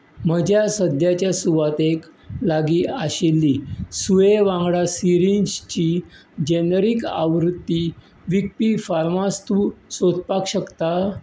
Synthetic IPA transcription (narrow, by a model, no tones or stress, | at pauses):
məd͡ʑʱjasəd̪ʱjat͡ɕjasuʋat̪eklaɡiːaɕelːisueʋãŋɡɽasiɾinst͡ɕi | d͡ʑenəɾika̰ʋɾut̪ːi | ʋik̚pifaɾmast̪usot̪pakɕəkt̪a